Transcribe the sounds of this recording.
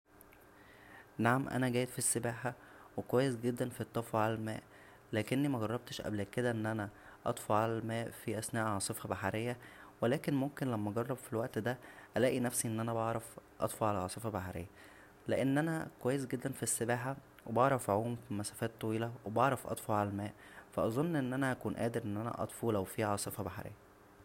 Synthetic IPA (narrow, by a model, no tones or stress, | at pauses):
naʕamʔæ̰næɡæːjed̪fisːebæːħa | wekowæjːesɡed̪ːænfit̪ˤːɑfɑʕalælmæ̰ːʔ | læːkenːimæɡɑrˤːɑb̚t̪ʃʔæ̰bleked̪æʔenːʔænæʔɑ̰t̪ˤfɑʕalælmæːʔfiʔæsnæːʔʕɑsˤefɑbaħaɾejːæwelæːkenmomkenlæmːæʔæɡɑrˤːɑbfilwæʔt̪d̪æʔælæːʔinæfsiʔenːʔænæbɑʕɾˤɑfʔɑ̰t̪ˤfɑʕalæʕɑːsˤefɑbaħaɾḛjːæ | leʔenːʔænækowæːjːes̬ɡed̪ːænfisːebæːħa | webɑʕɾˤɑfʕuːmfimæsæːfæːt̪ˤːɑwiːlæwebɑʕɾˤɑfʔɑ̰t̪ˤfɑʕalælmæːʔ | fæʔɑzˤonːʔenːʔænæʔækuːnʔæ̰ːd̪eɾʔenːʔænæ̰ʔɑ̰t̪ˤfuːlæwfiʕɑːsˤefɑbaħaɾḛjːæ